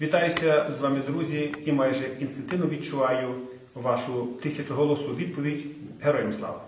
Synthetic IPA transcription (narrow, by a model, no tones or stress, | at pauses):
ʋʲit̪ɑjʊsʲɐzʋɑmɪd̪ɾuzʲiimɑjʒɛinst̪ɪnt̪ɪnʊʋʲid̪t͡ʃʊʋɑjʊ | ʋɑʃʊt̪ɪsʲɐt͡ʃʊɦɔlˠɔsuʋʲid̪̚pɔʋʲidʲ | ɦeɾɔjmslˠɑ̰ʋɐ